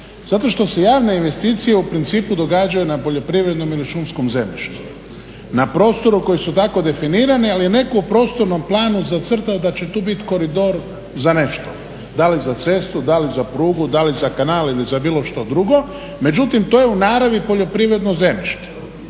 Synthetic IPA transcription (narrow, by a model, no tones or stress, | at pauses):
z̥at̪o̞ʃt̪o̞se̞jaːʋne̞inʋe̞st̪iːt̪sije̞upɾint̪siːpud̪o̞ɡaːd͡ʒajunapo̞ʎo̞pɾiʋɾe̞d̪no̞miliʃumskomze̞mʎʲḭʃt̪u̥ | napɾo̞ːst̪o̞ɾuko̞jisut̪ako̞d̪e̞finiːɾanialijene̞koupɾo̞ːst̪o̞ɾno̞mplˠaːnuzat̪sr̩t̪aod̪at͡ɕe̞t̪uːbit̪ko̞ɾid̪o̞ɾ | zane̞ʃt̪o̰ | d̪alizat̪se̞st̪ud̪alizapɾuːɡud̪alizakanaːlilizabiːlo̞ʃt̪o̞d̪ɾuɡo̞ | me̞d͡ʒut̪imt̪oːjeunaːɾaʋipo̞ʎo̞pɾiʋɾe̞d̪noze̞miʃt̪e̥